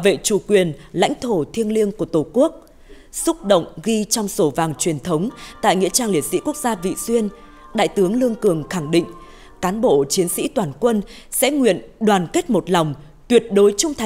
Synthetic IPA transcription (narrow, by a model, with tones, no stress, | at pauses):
vḛ˧˨t͡ɕu˧˩kwi˨˩ənla̰˧˥jŋ̟t̪ʰo˧˩t̪ʰi˧ənli˧əŋku˧˩ət̪o˨˩ku˦˥ək̚ | sʊ˦˥k͡p̚ɗə̰˧˨wŋ͡mɣi˧t͡ɕɔ˧wŋ͡mso˨˩vaː˨˩ŋt͡ɕwi˨˩ənt̪ʰə˨˦wŋ͡mt̪a̰ː˧˨jŋḭ˧˥ət͡ɕaː˧ŋli˨˩ət̚sḭ˧˥ku˦˥ək̚zaː˧vḭ˧˨swi˧ən | ɗa̰ː˧˨jt̪ɨ˨˦əŋlɨ˧əŋkɨ˨˩əŋxa˧˩ŋɗḭ̈˧˨ŋ̟ | kaː˨˦nɓo̰˧˨t͡ɕi˨˦ənsḭ˧˥t̪waː˨˩nkwə˧n | sɛ̰˧˥ŋwḭ˧˨ənɗwaː˨˩nke˦˥t̚mo˨˩t̚lɔ˨˩wŋ͡m | t̪wi˨˩ət̚ɗo˨˦jt͡ɕʊ˧ŋ͡mt̪ʰa˨